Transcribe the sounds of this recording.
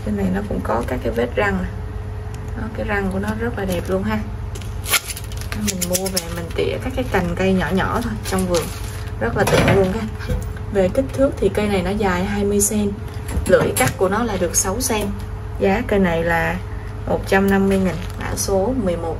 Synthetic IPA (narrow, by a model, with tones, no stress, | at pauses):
kə˧na˨˩jnɔ˨˦kʊ̰˧˥ŋ͡mkɔ˨˦kaː˦˥kːaː˨˦jve˦˥t̚za˧ŋa˨˩ | nɔ˨˦kaː˨˦jza˧ŋku˧˩ənɔ˨˦zə˦˥laː˨˩ɛ˨˩p̚lu˧ənɦaː˧ | a˨˩˦mï˨˩ŋ̟mu˧əve˨˩mï˨˩ŋ̟t̪ḭ˧˩əkaː˦˥kːaː˨˦jt̪a˨˩jŋ̟kə˧jɲɔ˧˩ɲɔ˧˩t̪ʰo˧jt͡ɕwŋ͡mvɨ˨˩əŋ | zə˦˥t̚laː˨˩t̪ḭ˧˩ənlu˧ənkaː˨˦ | ve˨˩kï˦˥k̟̚t̪ʰɨ˦˥ək̚t̪ʰi˨˩kə˧jna˨˩jnɔ˨˦zaː˨˩jɦaː˧jmɨ˧əjsɛ˧n | lɨ̰˧˨jka˦˥k̚ku˧˩ənɔ˨˦laː˨˩ɗɨ˨˩ək̚sa˨˦wsɛ˧m | zaː˨˦kə˧jna˨˩jlaː˨˩ | mo˨˩t̚t͡ɕa˧mna˧mːɨ˧əjŋï˨˩ŋ̟ʔa̰ː˧˩so˨˦mɨ˨˩əjmo˨˩t̚